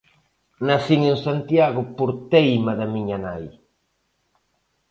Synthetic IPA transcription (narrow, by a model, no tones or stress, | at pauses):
naθiŋeŋsant̪jaɣʊpoɾt̪ejmaðamiɲanaj